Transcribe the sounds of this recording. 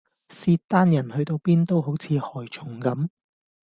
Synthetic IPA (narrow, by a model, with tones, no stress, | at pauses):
siː˧tt̪ːaː˥njɐ˨˩nhɵ˧ɥt̪o˧wpiː˥nt̪o˥wɦo˨˥wt͡sʰiː˨˧hɔː˨˩jt͡ʃʰʊ˨˩ŋkɐ˨˥m